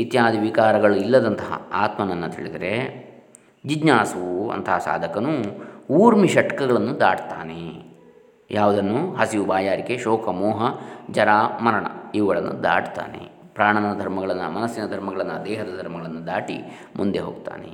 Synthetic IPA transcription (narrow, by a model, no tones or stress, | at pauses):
it̪jaːd̪iʋikaːɾɐɡɐɭuilːɐd̪ɐnt̪ɐɦɐ̰aːt̪mɐnɐnːɐt̪ʰiɭid̪ɐɾe̞ | d͡ʒid͡ʒnaːsuuɐ̰nt̪ɐɦɐsa̰ːd̪ʱɐkɐnuuːɾmiʃɐʈɐkɐɡɐɭɐnːud̪aːʈt̪aːne | jʔaːʋud̪ɐnːuɦɐsiʋubaːjaːɾikeʃɔːkʰɐmɔːɦɐd͡ʒɐɾaːmɐɾɐɳɐ̰iʋɐɡɐɭɐnːṵd̪a̰ːʈt̪a̰ːnḛ | pɾaːɳɐnɐd̪ʱɐɾmɐɡɐɭɐnːɐ̰mɐnɐsːinɐd̪ʱɐɾmɐɡɐɭɐnːɐd̪ɛːɦɐd̪ɐd̪ʱɐɾmɐɡɐɭɐnːud̪aːʈḭ | mund̪e̞ɦo̰ːɡ̚t̪a̰ːne